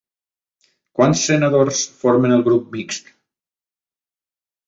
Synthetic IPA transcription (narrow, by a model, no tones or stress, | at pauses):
kwansːenaðorsfoɾmənəlˠɣɾup̚miksk